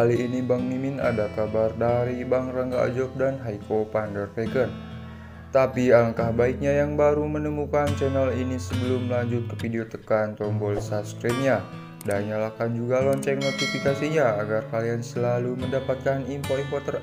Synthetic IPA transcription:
haliːnibaŋmimɪna̰dakabardaɾibaŋraŋɡaa̰d͡ʒɔp̚danɦajkopandərfɛɡən | t̪apialəŋkahbaik̚ɲajaŋbaɾumənəmukant͡ʃɛnəlinisəbəlʊmlaɲd͡ʒʊt̪̚kəfideot̪əkant̪ɔmbɔlsaskɾɛt̚ɲa | daɲalakand͡ʒuɡalɔɲt͡ʃɛknot̪ifikasiɲaːɡarkaliansəlaluməndapat̪̚kanimpoifɔt̪ər

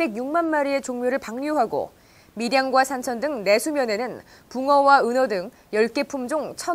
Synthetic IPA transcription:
be̞ɡjuŋmanmaɾie̞t͡ɕoŋmjoɾɯɭpaŋɲuɦaɡo̰ | midjaŋɡwasʰant͡ɕʰʌndɯŋne̞sʰumjʌne̞nɯn | puŋʌwaɯnʌdɯŋ | jʌɭk͈e̞pʰumd͡ʑoŋt͡ɕʰʌ

